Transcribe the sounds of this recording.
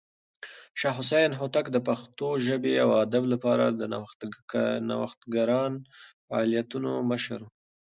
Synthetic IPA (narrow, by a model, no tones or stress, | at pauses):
ʃɑɦʊs̬ajnɦot̪akd̪əpaxt̪oʒəbeawad̪ablapɑɾa̰d̪əna | na̰waxt̪ɡaɾɑnfaːlijat̪unoməʃɾ